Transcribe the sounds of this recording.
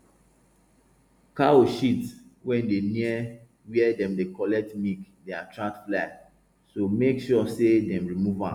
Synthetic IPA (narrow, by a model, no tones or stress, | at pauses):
kaoʃitwɛ̃ndeniɛ | wiɛdɛ̃mdekɔlɛtmikdeatʰɹãtfla | somekʃɔsedɛ̃mɹimuvã̰